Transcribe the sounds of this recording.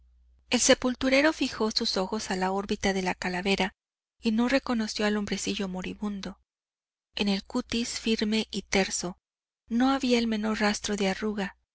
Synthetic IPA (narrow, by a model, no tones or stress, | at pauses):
e̞lse̞pult̪uɾe̞ɾo̞fixo̞suso̞xo̞salao̞ɾβit̪aðe̞lakalaβe̞ɾa | ino̞re̞ko̞no̞sjo̞alo̞mbɾe̞siʝo̞mo̞ɾiβũnd̪o̞ | e̞ne̞lkut̪isfiɾme̞ʔit̪e̞ɾso̞ | no̞aβiae̞lme̞no̞ɾrast̪ɾo̞ðearuɣa